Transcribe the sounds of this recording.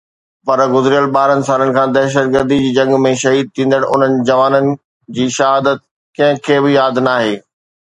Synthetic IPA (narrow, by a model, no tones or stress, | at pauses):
pɐɾɡʊzɪɾijəlɓaːɾənɪ̆saːlənɪ̆kʰãːd̪ɛːʃ̬ət̪̚ɡəɾd̪id͡ʑiːd͡ʑɐ̃ŋɡmẽʃɐɦiːd̪̚t̪ʰĩːn̆d̪əɽ̃ʔʊ̰n̤ənɪ̆d͡ʑɐʋaːnənɪ̆ | d͡ʑiːʃɐɦaːd̪ət̪̚ | kɐ̃ɦɪ̃kʰeːbɪjaːd̪naːɦeː